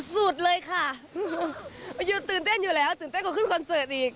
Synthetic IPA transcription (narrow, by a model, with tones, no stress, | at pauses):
su˧˩ət̚ləː˧jxaː˧˩˧ | zu˨˧˩t̪ɨ˨˩ŋt̪e˦˥n̚ɲɨ˧˩lɛ˨˩˦wt̪ɨː˨˩nt̪e˦˥kɔ˧˥xɨ˧˥ŋkɔ˧˩nsəː˧˨˩ɗi˨˩ə˦k̚